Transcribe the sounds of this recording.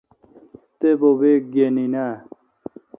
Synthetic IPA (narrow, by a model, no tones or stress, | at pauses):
t̪ebobek̚ɡenina